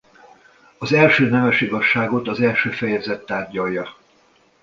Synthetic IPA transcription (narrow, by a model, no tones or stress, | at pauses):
ɒzɛlʃøːnɛvɛʃiɡɒʃːaːɡo̞t̪ɒzɛlʃøːfɛjɛzɛt̪ːaːrɟɒjːɒ